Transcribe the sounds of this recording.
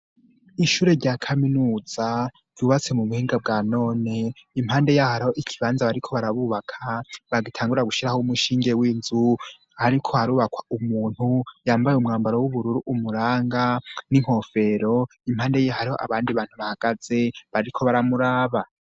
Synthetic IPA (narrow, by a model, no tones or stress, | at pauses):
iʃuːɾe̞ɾɟakʰaminuːz̥a | vjuːβat͡se̞muβuhiːŋɡab̚ɡaːno̞ːne̞imhaːnde̞jahaɾihoʔikʰiβaːnzaβaɾikʰo̞βaɾaβuːβakʰaβaɡitʰaːŋɡuɾiɾaɡuʃiɾahoumuʃiːŋɡe̞wiːnzu | haɾikʰo̞haɾuːβakwḁumuːn̥hujaːmbajeumŋaːmbaɾowuβuɾuɾuʔumuɾaːŋɡaniŋ̥ho̞fe̞ɾo̞ | im̥haːnde̞jejhaɾiho̞̰ʔa̰βaːndiβaːn̥huβahaɡ̥az̥e̞βaɾikʰo̞βaɾamuɾaːβa